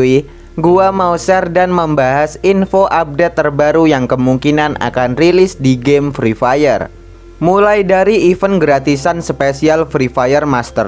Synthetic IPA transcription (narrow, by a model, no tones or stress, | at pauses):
i | ɡuamawsɛrdanməmbaɦasinfoʔap̚det̪ːərbaɾujaŋkəmuŋkinanʔa̰kanrilɪsdiɡɛmfɾifajər | mulajdaɾiːfənɡɾat̪isansəpesialfɾifajərmast̪ə̰r